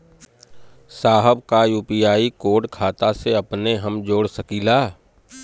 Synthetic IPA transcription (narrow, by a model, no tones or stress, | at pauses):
saːɦəbkajuːpijaːikoːɖkʰaːt̪aseɐpneɦəmd͡ʒoːɽsɐkiːlaː